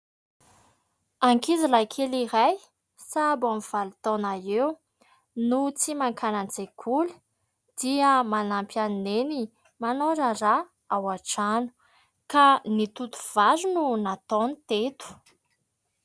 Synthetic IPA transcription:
aŋkizilajkʰeliɾaj | sabamiv̥alut̪onaew | nut͡simaŋkʰanand͡zekʰulə̥ | d̪̥iəmanampanneni | manoɾara | awaʈ͡ʂanu̥ | kanit̪ut̪u̥v̥azununat̪onit̪et̪u̥

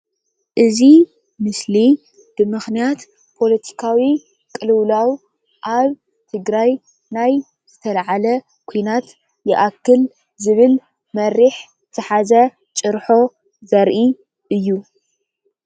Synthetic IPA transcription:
ʔɨzi | mɨsli | b̥ɨmɨxnijat̪ | pʰo̞lɐt̪ʰi̥kʰawi | kʼɨlɨwlaw | ʔaβ | t̪ʰɨɡɾaj | naj | z̥ɨt̪ʰɐlaʕalɐ | kʰojnat̪ | jɪʔakːɨl | zɨβɨl | mɐɾiħzɨt̪ʰɐħazɐ | t͡ʃʼɨɾħo̞ | zɐɾʔi | ʔɨjːu

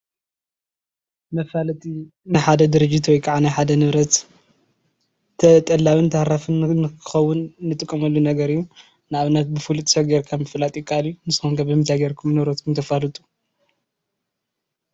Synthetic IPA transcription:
mɐfalɐt̪ʰi | najħad̪ɐd̪ɨɾɨd͡ʒːit̪wɔjkʰʼaʕanajħad̪ɐnɨβɾɐt̪ | ɐt̪ʼɐlːawɨnt̪ʰahɾafɨnnkʰɨ̥xɐwːʊnːɨt̪ʼɨkʼːɐmɐlːunɐɡɐɾɨjːu | nɨaβɨnːɐt̪̚bɨfɨlut̪ʰʼɐ̥sɐɡeɾkʰamɨfɨlat̪ʼikʼʰaalijunɨsɨxoŋɡʰɐbɨmɨnt̪ʰaɡeɾkʰumnɨβɾot̪kʰumt̪ʰɐfalɨt̪ʼu̥

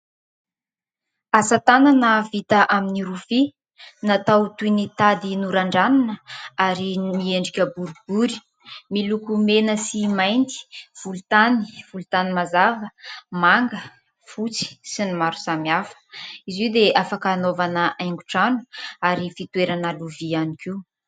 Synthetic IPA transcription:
asat̪ananəvit̪aʔaminiɾufi | nat̪awt̪unit̪ad̪inuɾaɳɖ͡ʐaninəaɾinieɳɖ͡ʐikʲəbuɾub̥uɾi̥ | milukumenəsimajnt̪i̥v̥ulut̪ani̥v̥ulut̪animazavəmaŋɡə | fut͡si̥sinimaɾu̥samiafə̥iziwd̪eʔafakaːnovanəʔajŋɡu̥ʈ͡ʂanu̥aɾifit̪ueɾanəluvianikiu

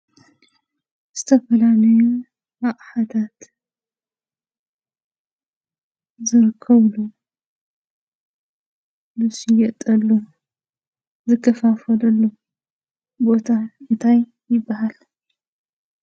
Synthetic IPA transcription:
z̥ɨt̪ʰɐfɐlalɐju | maqʼħat̪ʰat̪ | zɨɾɨkʰːɐβlu | lɨsijɐt̪ʼɐlːu | zɨkʰːɐfafɐlɐlːo | bo̞t̪ʰaɨnt̪ʰaj | jɪbːɐhal

